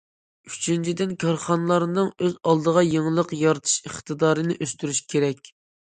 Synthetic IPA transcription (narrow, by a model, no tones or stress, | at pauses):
yt͡ʃʰynt͡ʃʰid̪ɪnkʰɑɾχɑnɨlˠɑɾɨnɨŋøzɑlˠd̪əʁɑjeŋlˠəqjɑɾɨt̪ʰɨ̥ʃəχt̪ɨd̪ɑːɾɨnɪʔøst̪yɾyʃkʲʰeɾɛkʲ